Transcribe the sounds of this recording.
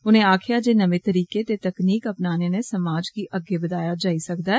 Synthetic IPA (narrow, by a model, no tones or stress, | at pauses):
ʊn̤ẽaːkʰjad͡ʒenɐmẽt̪əɾiːket̪et̪ɐkniːkɐpnaːnenesɐmaːd͡ʒkiʔɐɡːebɐd̪aːjad͡ʒaːisɐkd̪aɦɛː